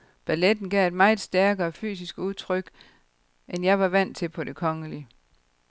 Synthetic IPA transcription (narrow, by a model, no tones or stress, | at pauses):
b̥æled̥n̩ɡ̥ɛ̰e̝d̥mɑ̈ɪ̥sd̥æɐɡ̥ɐːfy̰ːsisɡ̥əuðˠt͡sʰʁœɡ̥ | ʔenjɑ̈ɪʋɑ̈ʋæn̰t͡sʰe̝lpʰɒ̽d̥e̝kʰɒ̽ŋəli